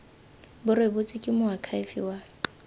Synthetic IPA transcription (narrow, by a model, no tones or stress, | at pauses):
bʊɾebʊt͡sʼɪkʼɪmʊakʰaɪfḭwaː